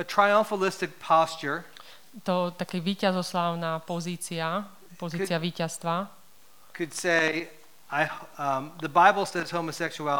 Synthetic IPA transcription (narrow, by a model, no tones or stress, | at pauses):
ɨtʰɹ̥aɪʌ̃ɱfəlɪstɨk̚pʰɑst͡ʃə˞ | t̪ɔt̪akɛʋiːcazɔslaːʊnaːpɔziːt͡sia | pɔziːt͡sɪaʋiːcast̪ʋa | kʰɨd̥seɪ | aɪ | ðɨbaɪbl̩ˠsɛz̥hoʊməsɛkʃuæ